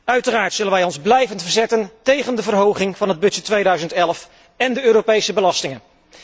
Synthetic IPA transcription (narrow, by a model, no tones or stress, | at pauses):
œɥtəraːɹtsɵlənʋɛjɔnzblɛjvəntfəɹzɛtəntejχəndəvərɦowχɪŋvɑnɦəd̚bɵɛtʋejdœɥzəntɛlˠf | ɛndəøːropejsəbəlɑstɪŋən